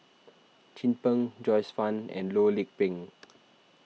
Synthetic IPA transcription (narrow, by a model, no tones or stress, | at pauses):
t͡ʃĩnpə̃ŋd͡ʒɔjsfãnɛ̰̃nlolik̚pĩŋ